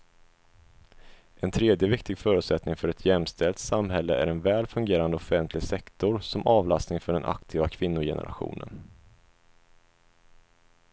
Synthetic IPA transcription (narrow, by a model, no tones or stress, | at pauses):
ʔɛnt̪ʰɾeːd̪jəvɪkt̪ɪɡfœːɾɵ̟t̪sɛt̪nɪŋfœɾɛt̪ʰjɛmst̪ʰɛlt̪samɦɛlːə̰ʔæɾɛnvɛːlfɵŋɡeːɾand̪əɔfɛnt̪ʰlɪɡsɛkt̪ʊɾsɔmɑːvlast̪nɪŋfœɖɛnʔa̰kt̪ʰiːvakʰvɪnːʊjɛ̰nə̰ɾa̰ɧṵːnə̰n